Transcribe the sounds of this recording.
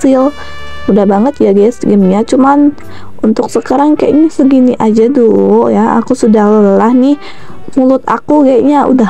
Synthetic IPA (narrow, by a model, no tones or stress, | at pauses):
ɪl | udahbaŋət̪̚jaɡasɡəmɲat͡ʃuman | unt̪ʊk̚səkaɾaŋka̰ja̰ʔnisəɡiniʔad͡ʒaduljaa̰kusudahləlahnih | mulʊt̪a̰kukajaʔɲaʔṵda